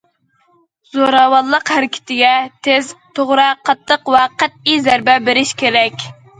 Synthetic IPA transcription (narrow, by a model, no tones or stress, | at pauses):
z̥oɾɑwɑnlˠəqhæɾɪkʲʰɪ̥t̪ʰɪɡʲɛt̪ʰezt̪ʰoʁɾɨqʰɑt̪ʰːəqvɛqʰæt̪̚izæɾbɛbeɾɪʃkʲʰeɾɛkʲ